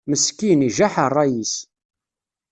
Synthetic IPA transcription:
məskːiniʒaħərˤːɑjis

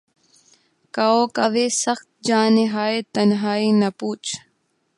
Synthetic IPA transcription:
kaoːkɐʋeːsɐxt̪̚d͡ʒaːnɪɦaːet̪ɐnɦaːinɐpuːt͡ʃ

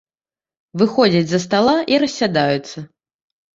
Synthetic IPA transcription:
vɨxɔd͡zʲɐd͡zʲzɐst̪alˠaʔiɾɐsʲːad̪ajut̪sːɐ

